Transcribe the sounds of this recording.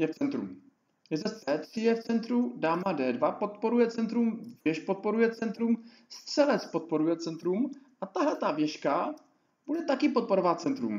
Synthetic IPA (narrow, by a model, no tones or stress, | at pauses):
jɛft͡sɛnt̪ɾṵm | jɛzɛst͡sɛːt̪r̥ɪjɛft͡sɛnt̪ɾudaːmadɛːdvapo̞t̪po̞ɾujɛt͡sɛnt̪ɾumvjɛʃpo̞t̪̚po̞ɾujɛt͡sɛnt̪ɾum | st̪t͡sɛlɛt͡spo̞t̪̚po̞ɾujɛt͡sɛnt̪ɾumʔat̪aɦlɛt̪avjɛʃka | b̥udɛt̪akɪpot̪̚po̞ɾovaːt̪t͡sɛnt̪ɾṵm